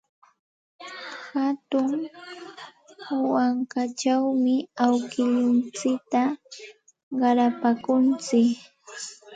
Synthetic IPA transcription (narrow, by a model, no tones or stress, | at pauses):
hat̪ʊŋ | waŋkat͡ʃawmɪawkɪʎʊnt͡sɪk̚t̪a | ɢɑɾapakʊnt͡sɪk